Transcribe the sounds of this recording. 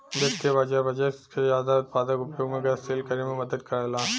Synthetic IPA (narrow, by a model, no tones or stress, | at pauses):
d̪et̪ʰːebɐd͡ʒabɐd͡ʒakezaːd̪aʊt̪̚paːd̪əkʊpjoːɡmẽɡɐseːlkɐɾemẽmɐd̪əd̪̚kɐɾelaː